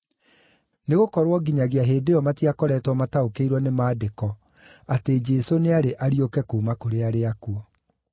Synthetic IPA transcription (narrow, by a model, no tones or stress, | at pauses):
neɣokɔɾwɔɡiɲaɣeaɦeːdeɔmatiakɔɾɛtwɔmataokeiɾwɔnemaːdekɔ | ated͡ʒɛsoneaɾeʔaɾiokɛkuːmakoɾeaɾeakuɔ